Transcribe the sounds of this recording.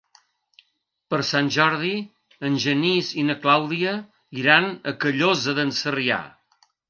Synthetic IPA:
pəɾsanʲʒɔɾð̞i | ənʲʒənizinəklawðiə | iɾanəkəʎozəðənsəria̰

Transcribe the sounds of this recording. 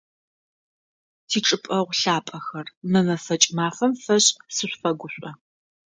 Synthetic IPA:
tʰiːʈ͡ʂʼɨpʼɐʁʷɬaːpʼɐxɐrmɨmɐfɐt͡ʃʼmaːfɐmfɐɕʼsɨɕʷfɐɡʷʊɕʷʼɔ

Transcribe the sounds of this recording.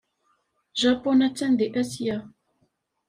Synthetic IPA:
ʒapɔnat͡sən̩deʔəsia

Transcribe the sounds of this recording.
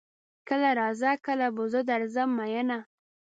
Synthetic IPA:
kəlaɾɑzakəlabʊzəd̪aɾzamːajəna

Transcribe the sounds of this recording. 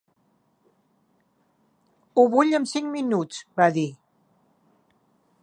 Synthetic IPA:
uβuʎəmsiŋminut͡sbaði

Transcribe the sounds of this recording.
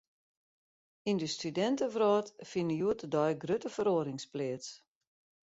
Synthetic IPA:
indəstydɛntəfrɔːtfɪnəjuətədɔjɡrøtəfəɾoəɾɪŋsplɪːəts

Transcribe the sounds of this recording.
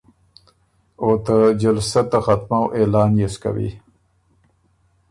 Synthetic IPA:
ot̪ad͡ʒalsat̪axat̪mawʔelɑːnjeska̰wḭ

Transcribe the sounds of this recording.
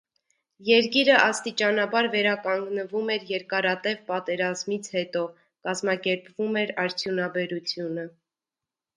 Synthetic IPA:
jɛɾkiɾəʔɑst̪it͡ʃɑnɑbɑɾvɛɾɑkɑŋɡnəvumɛɾjɛɾkɑɾɑt̪ɛvpɑt̪ɛɾɑzmit͡sʰhɛt̪ɔ | kɑzmɑkɛɾpvumɛɾɑɾt͡sʰjunɑbɛɾut͡sʰjunə

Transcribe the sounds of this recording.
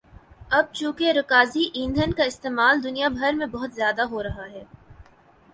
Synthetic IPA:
ɐb̚t͡ʃũːkeɾɐkaːziʔĩːnd̪ʱənkaɪst̪eːmaːld̪ʊnijabʱɐɾmẽbɐɦʊt̪zjaːd̪aɦoɾɐɦaɦɛː

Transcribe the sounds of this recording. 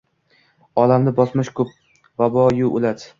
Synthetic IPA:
ɒlamd̪ɪbɒsmɪʃkʰʊp̚ | vabɒjʊʔolad̪ɪ

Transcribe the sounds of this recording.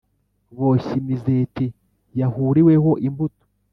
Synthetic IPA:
βo̞ɕimizeti | jahuːɾiweho̞ʔimbuto̥

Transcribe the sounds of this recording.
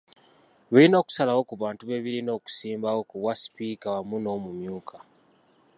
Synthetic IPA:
βelino̞ːku̥salawo̞kuβaːntuβe̞βiɾino̞ːku̥siːmbawo̞kuβwasi̥piːkaβamuno̞ːmumjuːkʰa

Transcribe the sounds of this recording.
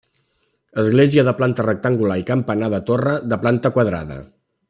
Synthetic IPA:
əzɣleziəðəplant̪ərək̚t̪əŋɡulaikəmpənaðət̪orəðəplant̪əkwəðɾa̰ðə̰

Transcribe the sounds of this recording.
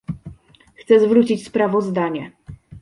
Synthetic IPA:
xt̪sɛzvɾut͡ɕit͡ɕspɾavɔzd̪aɲɛ

